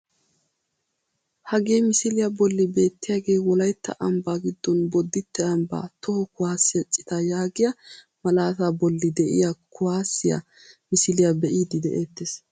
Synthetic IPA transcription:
hɐɡe̞ːmɪsɪlɪjɐbɔlːɪbe̞ːt̪ːɪjaːɡe̞ːwɔlɐjt̪ːɐ̰ʔɐmbaːɡɪd̪ːɔnbɔd̪ːɪt̪ːɛɐmba̰ːt̪ɔhɔkʊwaːsːɪjɐt͡ʃʼːɪ̥t̪ɐjaːɡɪjɐ | mɐlaːt̪aːbɔlːɪd̪ɛʔɪ̰jakʊwaːsɪja̰ | mɪsɪlɪjabɛʔiːd̪ɪd̪ɛʔeːt̪ːes

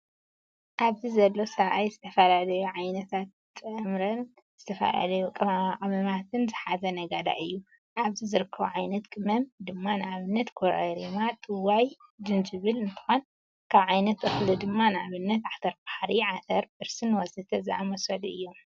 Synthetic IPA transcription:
ʔaβzizɐlːo̞sɐβʔajzɨt̪ʰɐfɐlalɐjuʕajnɐt̪ʰat̪̚ | t͡sʼɐmɾɐn | z̥ɨt̪ʰɐfɐ̰la̰lɐjukʼɐmamaʔʼɐmɐmat̪ʰɨnzɨħazɐnɐɡad̪a̰ʔɨjːu | ʔaβzizɨɾɨkʰːɐβuʕajnɐt̪kʼɨmɐmd̪ɨmːanɨaβɨnːɐt̪kʰoɾɐ̰ɾimat̪ʼɨwajd͡ʒɨnd͡ʒɨβɨlɨnt̪ʰɨ̥xon | kʰaβʕajnɐt̪ʼɨxlɨd̪ɨmːanɨaβɨnːɐt̪ʕat̪ʰɐɾbaħaɾiʕat̪ʰɐɾbɨɾsɨnwɔsɨt̪ʰɐzɨʔamɐsɐlɨ̰jːo̞m

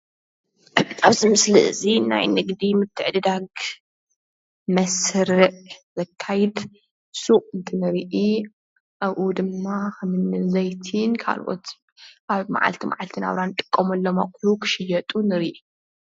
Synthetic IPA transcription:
aβzɨmɨslɨʔɨ̰zina̰jnɨɡd̪imɨt̪ʰːɨʕd̪ɨd̪aɡ | mɐsɾɨʔzɐkʰːajid̪ | suʔʼɨnt̪ʰɨnɨɾiʔi | ʔaβʔud̪ɨmːaxɐmɨnːɨzɐjt̪ʰinkʰa̰lʔo̰t̪ | ʔaβma̰ʕa̰lt̪ʰima̰ʕalt̪ʰɨna̰βɾanɨt̪ʼɨ̥kʼːɐmɐlːɐma̰kʼjukʰɨ̥ʃɪjɐt̪ʼunɨɾiʔi

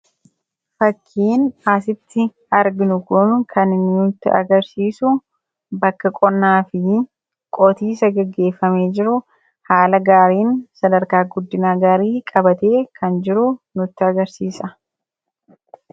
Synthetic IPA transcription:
fɐkʰːiːnasɪt̪ːɪ | ɐɾɡɪnʊkʊnkʰɐnɪnːnʊt̪ːɪʔɐ̰ɡɐɾsiːsʊ | bɐkːɐkʼɔnːaːfɪ | kʼɔt̪iːsɐɡɛɡːe̞ːfːɐme̞ːd͡ʒɪɾʊ | haːlɐɡaːɾiːnsɐd̪ɐɾkaːɡʊd̪ːɪnaːɡaːɾiːkʼɐbɐt̪e̞ːkʰɐnd͡ʒɪɾʊnʊt̪ːɪɐɡɐɾsiːsɐ

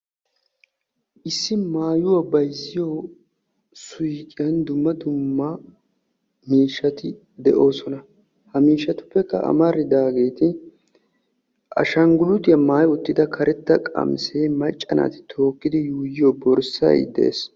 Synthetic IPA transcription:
ʔɪsːɪmaːjʊwɐbɐjzɪjoː | sʊjkʼɪjɐnd̪ʊmːɐd̪ʊmːɐ | miːʃːɐt̪ɪ | d̪ɛʔo̞ːsɔnɐ | hɐmiːʃːɐt̪ʊ̥pːɛkːɐ̰ʔɐ̰mɐɾːɪd̪aːɡe̞ːt̪ɪ | ʔɐ̰ʃɐŋɡʊlʊt̪ɪjɐmaːjʊt̪ːɪd̪ɐkʰɐɾɛt̪ːɐkʼɐ̰mseːmɐt͡ʃʼːɐna̰ːt̪ɪ̥t̪ʰo̞ːkːɪd̪ɪjuːjɪjobɔɾsɐ̰jd̪ɛ̰ʔḛːs

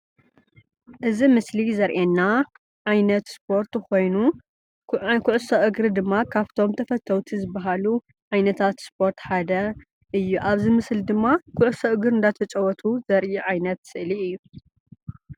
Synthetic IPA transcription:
ʔɨzimɨslizɐɾʔenːa | ʕajnɐt̪spʰo̞ɾt̪xo̞jnu | kʰʊʕʊsɐʔɨɡɾɨd̪ɨmːakʰaβt̪ʰo̞mt̪ʰɐfɐt̪ʰɐwt̪ʰizɨbːɐɦalu | ʕajnɐt̪ʰat̪spʰo̞ɾt̪ħad̪ɐ | ʔɨjːuʔaβzimɨsld̪ɨmːakʰʊʕʊsɐʔɨɡɨɾɨnd̪at̪ʰɐt͡ʃʼɐwɔt̪ʰuzɐɾʔiʕajnɐt̪sɨʔliɨjːu

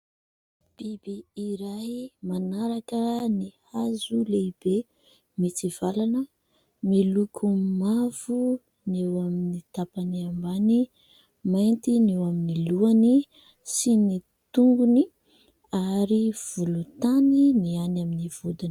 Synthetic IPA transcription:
b̥ibiːɾaɦimanaɾakənihazuleibe | mit͡sivalanə | milukʰumav̥u | newaminit̪apaniambani | majnt̪inewaminiluani | sini | t̪uŋɡuni | aɾiv̥ulut̪aninianaminiv̥od̪un

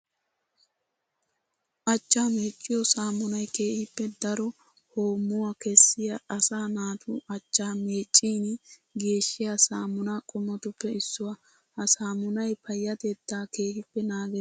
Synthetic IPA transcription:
ʔɐt͡ʃʼːaːmeːt͡ʃʼːɪjɔsaːmʊnɐjke̞ːhɪpːɛd̪ɐɾɔ | hoːmːʊwakɛsːɪjaʔɐsaːnaːt̪ʰʊːʔɐt͡ʃːaːme̞ːt͡ʃʼːiːnɡe̞ːʃːɪjasaːmʊnakʼɔmːɔt̪ʊpːɛɪsːʊwɐ | hɐsaːmʊnɐjpʰɐjːɐt̪ed̪ːaːke̞ːhɪpːɛnaːɡɛ

